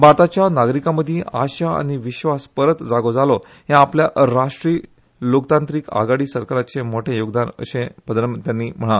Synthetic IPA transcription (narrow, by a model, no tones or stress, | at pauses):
baɾt̪at͡ɕjanaɡɾikãməd̪ʱjeʔaɕaa̰ɽ̃iʋiɕʋaspəɾət̪d͡zaɡod͡zalɔ | ɦjãːpljaɾaʂʈɾiː | lokt̪ãnt̪ɾiːka̰ɡaɽiːsəɾkaɾat͡semoʈʰẽjoɡd̪anə̰ɕẽbəd̪ɾəmt̪janːiːm̤əɽ̃a